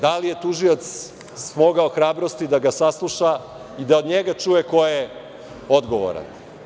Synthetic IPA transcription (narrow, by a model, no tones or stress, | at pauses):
d̪alije̞t̪uʒiot̪s | smo̞ɡaoxɾaːbɾo̞st̪id̪aɡasaslˠuʃa | id̪aod̪ɲeɡat͡ʂujeko̞je | o̞d̪ɡoʋo̰ɾa̰n